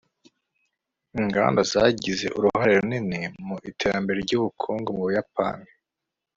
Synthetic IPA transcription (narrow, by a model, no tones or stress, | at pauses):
iŋɡa̰ːndazaɟize̞̰ʔuɾuhhaɾeɾunine̞muʔitʰe̞ɾambe̞ɾeɾɟuːβukʰuːŋɡomuβujapa̰ni